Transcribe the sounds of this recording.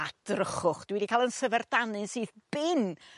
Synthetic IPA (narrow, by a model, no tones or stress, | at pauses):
ad̥rəχʊχd̥wɛdikʰalˠənsəvɛrd̥anɨnsɨːðb̥ɪn